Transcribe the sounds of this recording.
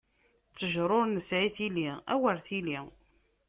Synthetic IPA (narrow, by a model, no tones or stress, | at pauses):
t͡sːəʒɾˤoɾnəsʕiθiliʁæ̰wəɾθili